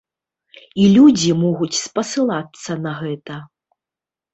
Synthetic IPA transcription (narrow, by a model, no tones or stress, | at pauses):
ilʲud͡zʲimɔɣut͡sʲspɐsɨlˠat̪sːɐnɐɣɛt̪ɐ